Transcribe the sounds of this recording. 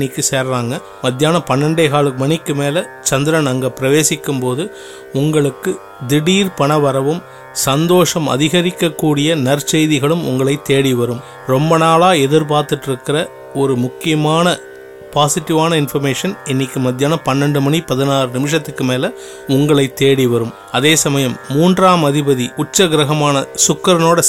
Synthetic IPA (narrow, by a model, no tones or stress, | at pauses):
ɪkːɯseːɾɾaːŋɡɐ | mɐd̪jaːnɐpɐnːɐɳɖeːɣaːɭɯmɐɳɪkːɯmeːlɐ | t͡ʃɐnd̪ɪɾɐnɐŋɡɐpːɪɾɐʋeːsɪkːɯmpoːðɯ | ʊŋɡɐɭɯkːɯ | d̪ɪɽiːɾpɐɳɐʋɐɾɐʋɯm | sɐnd̪oːʂɐmɐ̰ðɪɣɐɾɪkːɐkːuːɽɪjɐnɐɾt͡ʃɛjðɪɣɐɭɯmʊ̰ŋɡɐɭɐɪt̪ːeːɽiʋɐɾɯm | ɾɔmbɐnaːlaːɛðɪɾp̬aːɾt̪ɯʈːɪɾɯkːɪrɐ | ɔɾɯmʊkːɪjɐmaːnɐ | paːsɪʈːɪʋaːnɐɪnfɐɾmeːʂɐnɪnːɪkːɯmɐd̪ɪjaːnɐpɐnːɛɳɖɯmɐnipɐðɪnaːɾɯnɪmɪʂ̬ɐt̪ːɯkːɯmeːlɐ | ʊŋɡɐɭɐɪt̪ːeːɽiʋɐɾɯm | ɐðeːsɐmɐjɐmːuːndraːmɐðɪbɐðiʔʊt͡ʃːɐɡɪɾɐɣɐmaːnɐsʊkːɐɾɐnoːɽɐ